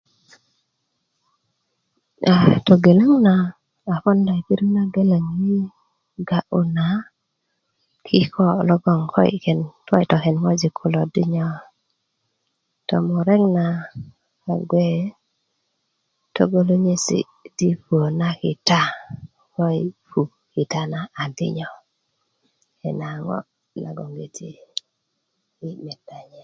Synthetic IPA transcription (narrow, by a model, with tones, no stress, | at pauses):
a˨tɔ˨ɡe˨la˦ŋnaː˨ | fɔ˦nda˨i˨ki˦ɾu˦na˦ɡe˦la˨ŋi˦ | ɡa˨ʔu˨na˨ | kʰɪ˦kɔ˦˨lɔ˦ɡɔ˦˨ŋkʰɔ̰˦ḭ˨kɛ˨ntwɔ̰˦i˨tɔ˨kɛ˨nŋɔ˦d͡ʒi˨kʰʊ˨lɔ˨di˦ɲɔ˦ | tɔ̰˨mʊ˨ɾɛ˦ŋnaː˨ | ɡwe˦ | to̰˦ɡo˦lo˦ɲe˦sḭ˨ | ti˦puo˨na˦kɪ˨ta˦ | kɔ˦i˨pu˨ | kɪ˨ta˦naː˨dɪ̰˦ɲɔ˨ | ɛ˨na˨ŋɔ̰˦ | na̰˨ɡɔ˨ŋɡe˨tʰe˦ | i˦mɛ˨da˨ɲɛ˨